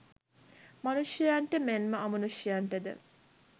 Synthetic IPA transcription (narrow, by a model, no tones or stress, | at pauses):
mɐnuʃijaɳʈəmenməɐmunuʃijɐɳʈəd̪ə̰